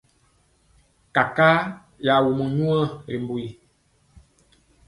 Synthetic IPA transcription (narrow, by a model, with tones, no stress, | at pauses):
ka˨kaː˦ | ja˨wu˨mə̃˨ɲũ˦ã˦ɾi˨mbu˨i˨